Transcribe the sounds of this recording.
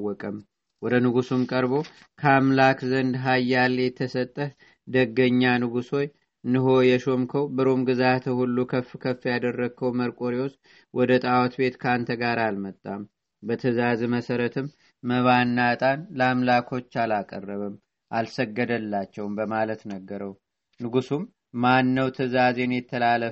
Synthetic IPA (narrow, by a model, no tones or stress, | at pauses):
wɔkʼəm | wɔd̪ənɨɡusumkʼəɾbo̞ | kʰəamlakzənd̪ɦajːaljɛt̪ʰːəsət̪ʼːəh | d̪əɡːəɲːanɨɡuso̞j | nɨɦo̞jɛʃo̞mkʰəwbɨɾomɡɨzat̪ʰəhulːukʰəfːkʰəfːjad̪ərːəɡ̚kʰːəwməɾkʼo̞ɾios | wʔɔd̪ət̪ʼawɔt̪be̞t̪kʰant̪ʰəɡaɾalmət̪ʼːam | bət̪ʰəzazməsəɾət̪ʰɨmː | əβanːat̪ʼanləamlakʰo̞t͡ʃːalakʼə̰rːəβɨm | ʔalsəɡːəd̪əlːat͡ʃːɛwmbəmalət̪nəɡːəɾəw | nɨɡusum | manːəwt̪ʰəzazenjɛt̪ʰːəlalːə